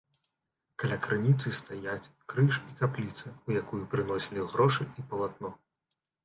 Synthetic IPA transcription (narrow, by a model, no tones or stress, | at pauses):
kalʲakɾɨnʲit̪sɨst̪ajat͡sʲkɾɨʂikaplʲit̪sɨujakujupɾɨnɔsʲilʲiɣɾɔʂɨipɐlˠat̪̚nɔ